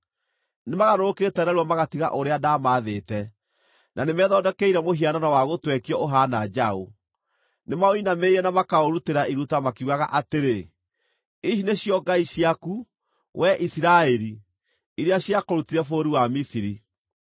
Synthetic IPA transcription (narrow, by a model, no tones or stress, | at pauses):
nemaɣaɾoketɛɾɛɾwamaɣatiɣa̰ʔoɾeadamaːðeːtɛ | nʔanemɛðɔdɛkɛiɾɛmoɦiananawaɣotwɛkiɔʔoɦanad͡ʒaɦo | nemaoinameɾɛnamakaoɾuteɾaiɾutamakeuɣaɣaʔateɾe | iʃ̬ineɕjɔɡaiɕiaku | wʔɛʔisiɾaɛɾi | iɾeaɕjakoɾutiɾɛfoɾiwamisiɾi